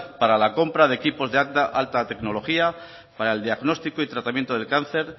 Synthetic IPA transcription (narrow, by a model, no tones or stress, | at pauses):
paɾalako̞mpɾaðe̞kipo̞zðeaʔalt̪at̪e̞kno̞lo̞xia | paɾae̞ld̪iaɣno̞st̪ikoit̪ɾat̪amjent̪oðe̞lkan̟θe̞ɾ